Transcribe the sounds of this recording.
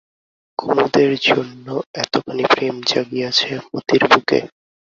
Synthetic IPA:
kʰomud̪eɾd͡ʑonːoɛt̪okʰanipɾemd͡ʑaɡiat͡ɕʰemo̰t̪iɾbukḛ

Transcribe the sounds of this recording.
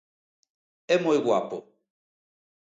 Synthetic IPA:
ɛmoiɣwa̰pɔ

